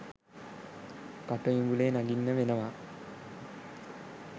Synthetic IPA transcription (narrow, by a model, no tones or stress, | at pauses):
kaʈəʋiɡuleːnaɡinːəʋenəʋa